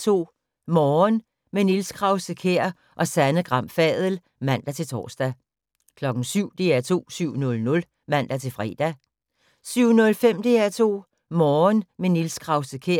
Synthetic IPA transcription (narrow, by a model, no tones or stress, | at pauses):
t͡sʰo̝̰ː | mɒːn | menilskʰʁɑ̈ʊsəkʰeɐ̰ | ʔɒ̽sænəɡ̥ʁɑ̈m̰fɛðˠl̩ | mæn̰d̥æt͡sʰe̝lt͡sʰɒ̰ːsd̥æ | kʰlɒ̽ɡ̥ŋ̩syʊ̰d̥e̝æɐt͡sʰo̝̰ːsyʊ̰nɔ̽lnɔ̽l | mæn̰d̥æt͡sʰe̝lfʁɛ̰ːd̥æ | syʊ̰nɔ̽lfem̰d̥e̝æt͡sʰo̝̰ː | mɒːnmenilskʰʁɑ̈ʊsəkʰeɐ